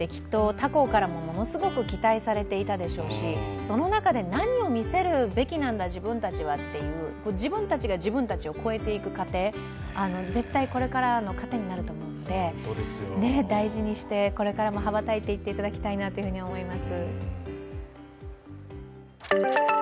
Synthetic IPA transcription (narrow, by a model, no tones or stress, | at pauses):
d̪̥e̞kʲi̥t̪ːo̞t̪ako̞kaɾamo̞mo̞no̞sɨɡo̞kɯ̟kʲi̥t̪aisaɾe̞t̪e̞it̪ad̪e̞ɕo̞ːɕiso̞no̞nakad̪e̞naɲ̟io̞mʲise̞ɾɯ̟be̞kʲinãnd̪aʑibɯ̟̃nt̪at͡ɕiβat̪ːe̞jɯ̟ːko̞d͡ʑibɯ̟̃nt̪at͡ɕiɡaʑibɯ̟̃nt̪at͡ɕio̞ko̞e̞t̪e̞ikɯ̟kat̪e̞ː | ano̞ze̞t̪ːaiko̞ɾe̞kaɾano̞kat̪e̞ɲ̟inaɾɯ̟t̪o̞ːmo̞ɯ̟̃nod̪e̞sne̞d̪aiʑiɲ̟iɕi̥t̪e̞ko̞ɾe̞kaɾamoɦaβat̪ait̪e̞it̪ːe̞it̪ad̪akʲi̥t̪ainat̪oiɯ̟hɯ̟ɲ̟iaomo̞imasɨ